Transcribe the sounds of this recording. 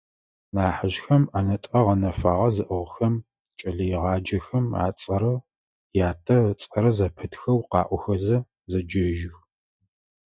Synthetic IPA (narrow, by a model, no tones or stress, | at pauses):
naːħəʒxɐmanɐtʼɐʁɐnɐfaːʁɐzɨʔəʁxɐm | t͡ʃʼɐɮɐjɪʁɑːd͡ʒɐxɐma̰ːt͡sʼɐɾɐ | jaːtʰɐt͡sʼɐɾɐzɐpʰɨtxɐwqɑ̰ːʔʷɔxɐzɐ | zɐd͡ʒɐʒɪx